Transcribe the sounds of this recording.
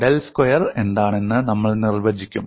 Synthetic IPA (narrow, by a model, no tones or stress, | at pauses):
ɖelskojɐre̞nd̪aːɳe̞nːɨnɐmːɐɭnirʋɐd͡ʑikʲːum